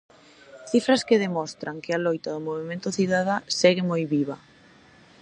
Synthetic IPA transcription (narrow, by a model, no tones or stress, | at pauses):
θifɾɐskɪðemɔst̪ɾaŋkɪalojt̪aðʊmoβ̞emẽnt̪ʊθiðaðaseɣɪmojβiβa